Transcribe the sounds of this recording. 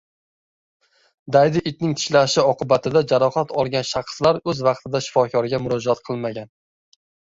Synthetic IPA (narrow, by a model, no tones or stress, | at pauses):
d̪ajd̪ɪʔɪt̪nɪŋt̪ʰɪ̥ʃlaʃɪɒqʰɨbat̪ʰɪd̪ad͡ʒaɾɒχat̪ɒlˠɡʲanʃɑqslaɾɵzvɑq̚t̪ʰɪd̪aʃɪ̥fɒkʰʲɒɾɡʲamʊɾɒd͡ʒaat̪qʰɨlˠmaɡʲan